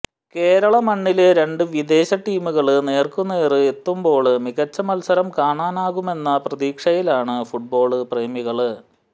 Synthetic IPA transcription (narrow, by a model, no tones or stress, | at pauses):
ke̞ːɾɐɭɐmɐɳːileɾe̞ɳɖɨʋid̪e̞ːɕɐʈːiːmuɣɐɭɨne̞ːrkunːeːrɨe̞t̪ːumbo̞ːɭmiɣɐt͡ɕːɐmɐlsɐɾɐmkaːɳaːnaːɣume̞nːɐprɐðiːkʂɐjilaːɳɨfuʈ̚bo̞ːɭɨpreːmiɣɐɭɨ